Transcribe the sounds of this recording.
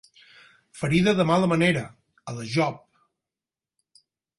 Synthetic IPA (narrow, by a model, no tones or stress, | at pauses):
fəɾiðəðəmaləməneɾə | ələʒɔp̚